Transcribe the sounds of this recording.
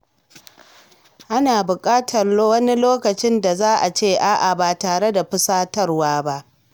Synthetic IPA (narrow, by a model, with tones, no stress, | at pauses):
ʔa˦naː˨bʊ˨kʼaː˦tʰɐ˨rlwɐ˦ni˦loː˦kɐ˨t͡ʃɪ˦nda˨zaː˦ʔa˨t͡ʃeː˦˨ʔa˦ʔa˨baː˨taː˨ɽe˦da˨ɸʊ˦saː˦tɐ˦rwaː˦ba˦ʔ